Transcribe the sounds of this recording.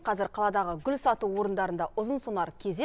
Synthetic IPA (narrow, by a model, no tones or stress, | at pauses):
qʰɑzɪɾqʰɑlˠɑd̪ɑʁəɡʲʏlsɑt̪uwo̞ɾənd̪ɑɾənd̪ɑʔʊzənsonɑɾkʲʰeze